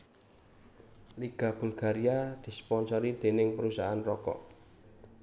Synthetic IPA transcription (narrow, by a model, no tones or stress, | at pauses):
liɡ̥a̤b̥ṳlɡ̥aɾiad̪̥i̤spɔnsɔɾid̪̥e̤nɪŋpəɾusaanrɔkɔ̰ʔ